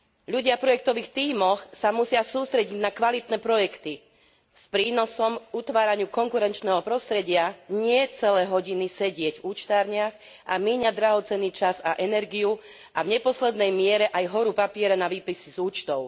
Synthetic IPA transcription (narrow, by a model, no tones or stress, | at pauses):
ʎuɟɪapɾɔjɛk̚t̪ɔʋiːxt̪iːmɔxsamusɪasuːst̪ɾɛɟiɟnakʋalit̪nɛːpɾɔjɛkt̪i | spɾiːnɔsɔmkut̪ʋaːɾaɲɪukɔŋkuɾɛnt͡ʃnɛːɦɔpɾɔst̪ɾɛɟɪaɲɪɛt͡sɛlɛːɦɔɟinisɛɟɪɛɟvuːt͡ʃt̪aːɾɲɪax | ʔamiːɲad̪ɾaɦɔt͡sɛnːiːt͡ʃazaʔɛnɛɾɡiju | avɲɛpɔslɛd̪nɛjmɪɛɾɛʔajɦɔɾupapɪɛɾanaʋiːpisizuːt͡ʃt̪ɔʊ